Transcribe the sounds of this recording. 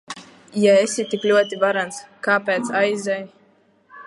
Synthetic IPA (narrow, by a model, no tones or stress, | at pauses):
jaesʲit̪iklʲuɔt̪ivaɾanskaːpʲɛːt̪sajzʲɛj